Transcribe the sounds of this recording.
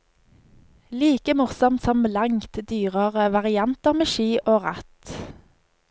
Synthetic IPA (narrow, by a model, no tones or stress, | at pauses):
liːkəmʊʁsɔmt̪sɔmlɑŋt̪d̪yːʁəʁəʋɑʁɪɑnt̪əʁmeːʃiːʔoːʁɑt̪